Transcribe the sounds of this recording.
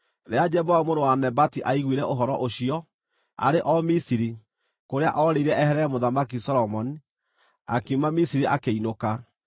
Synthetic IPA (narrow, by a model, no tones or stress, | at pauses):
ɾead͡ʒɛβɔvamoɾowanɛbatiʔaiɣwiɾɛʔoɦɔɾɔʔoɕiɔ | a̰ɾeʔɔmisiɾi | koɾea̰ʔɔɾeiɾɛɛhɛɾɛɛmoðamakisɔɾɔmɔni | a̰kiumamisiɾiʔakeinoka